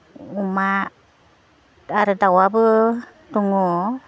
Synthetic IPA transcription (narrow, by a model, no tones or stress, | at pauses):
uma | aɾədawabə | t̪uŋo